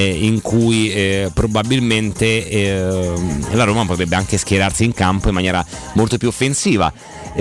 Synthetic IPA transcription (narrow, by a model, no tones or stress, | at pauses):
iŋkʰujpɾobabilment̪e | laɾoːmapot̪ɾɛbːeaŋk̟eskjeɾarsiːŋkampoimːanjɛːɾamolt̪opjuofːensiːva̰